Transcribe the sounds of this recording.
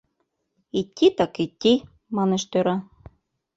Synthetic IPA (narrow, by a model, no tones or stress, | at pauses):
it̪ʲːit̪ɑkit̪ʲːi | mɑneʃt̪øɾɑ